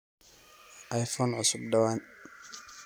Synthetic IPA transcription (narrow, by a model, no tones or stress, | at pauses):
ʔajfɔːnʕʊsʊb̚ɖɐwaːn